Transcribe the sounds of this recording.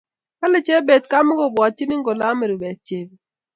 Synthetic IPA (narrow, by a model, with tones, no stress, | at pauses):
ka˦lɪ˨t͡ʃe˦be˨tka˦mo˦ɡo˨bwɔ˨tːi˦nɪ˦ŋɡo˨la˦me˨ɾu˨be˨t̚t͡ʃe˨b